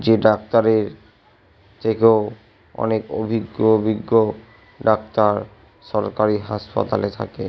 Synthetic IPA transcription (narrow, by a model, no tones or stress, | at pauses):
d͡ʑeɖak̚t̪aɾeɾ | t̪ʰekeo | ɔ̰neko̰bʱiɡːobʱiɡːo | ɖakt̪aɾ | ʃɔɾkaɾiɦaʃpa̰t̪a̰let̪ʰa̰ke